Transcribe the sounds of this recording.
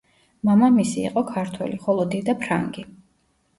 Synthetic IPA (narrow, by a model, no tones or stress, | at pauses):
mamamisḭːqʼɔkʰaɾt̪ʰwɛ̰liχɔlˠɔd̪id̪apʰɾa̰ŋɡi